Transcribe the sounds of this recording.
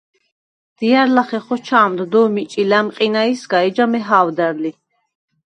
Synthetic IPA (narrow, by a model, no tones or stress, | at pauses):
d̪̥iaɾlaχɛχɔt͡ʃʰaːmd̪d̪ɔːmit͡ʃʼilɛmqʼinaisɡaɛd͡ʒamɛɦaːwd̪ɛɾli